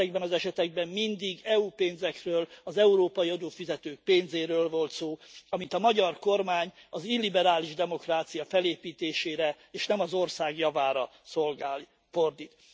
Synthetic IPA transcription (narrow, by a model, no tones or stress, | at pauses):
ɛɡbɛnɒzɛʃɛt̪ɛɡ̚bɛmmind̪iɡɛupeːnzɛkrøːlɒzɛuɾoːpɒjiɒd̪oːfizɛt̪øːk̚peːnzeːɾøːlvo̞lt̪soːɒmint̪ɒmɒɟɒrko̞rmaːɲ | ɒzilːibɛɾaːliʒd̪ɛmo̞kraːt̪sijɒfɛleːpiːt̪eːʃeːɾɛ | eːʃnɛmɒzo̞rsaːɡjɒvaːɾɒso̞lɡaːli | fo̞rd̪it̪